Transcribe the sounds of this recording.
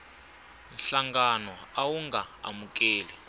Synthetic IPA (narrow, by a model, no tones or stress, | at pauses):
nɬaŋɡanɔawuŋɡaa̰muk̬ʼeːlɛ